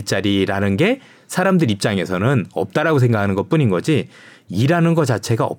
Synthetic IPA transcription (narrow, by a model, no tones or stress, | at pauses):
t͡ɕ͈aɾiɾanɯnɡe̞ | sʰaɾamdɯɾip̚t͡ɕ͈aŋe̞sʰʌnɯnʌ̰p̚t͈aɾaɡos̬ʰe̞ŋɡakʰanɯnɡʌt̚p͈uɲinɡʌd͡ʑi | iɾanɯnɡʌt͡ɕ͈at͡ɕʰe̞ɡaʌ̰p̚